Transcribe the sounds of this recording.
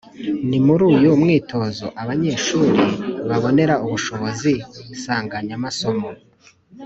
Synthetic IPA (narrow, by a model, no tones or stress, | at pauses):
nimuɾuːjomŋiːtʰo̞ːzo̞ʔaβaɲe̞ːʃuːɾiβaβo̞ne̞ɾauβuʃo̞βo̞ziusaːŋɡaɲamaso̞mo